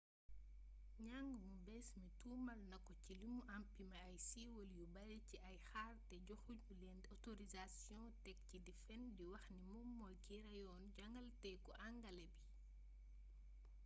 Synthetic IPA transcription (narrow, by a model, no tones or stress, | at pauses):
ɲaŋɡmubɛsmituːmɐlnɐkːɔcilimuʔampimɐːjsiwɔljubɐlɛciʔɐjxaːrtɛɟɔxumulɛndɔtoɾizasjɔ̃tɛk̚cidifɛndiwɐxnimumːɔjkiɾɐjɔːnɟɐŋɡɐltɛkɔʔaŋɡɐlɛbi